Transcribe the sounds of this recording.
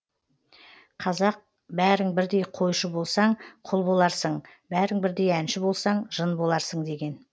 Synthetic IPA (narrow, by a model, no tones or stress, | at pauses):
qʰɑzɑq̚ | bæɾɪŋbɪɾd̪e̞jqʰo̞jʃəbo̞lˠsɑɴqʰʊlˠbo̞lˠɑɾsəɴ | bæɾɪŋbɪɾd̪e̞jænʃɪbo̞lˠsɑɴʒ̥ənbo̞lˠɑɾsəɴd̪e̞ɡʲe̞n